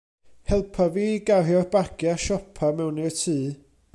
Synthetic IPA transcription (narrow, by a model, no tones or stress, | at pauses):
hɛlˠpʰaviːɡaɦjɔrbaɡ̥jaʃɔpʰamɛwniətʰɨː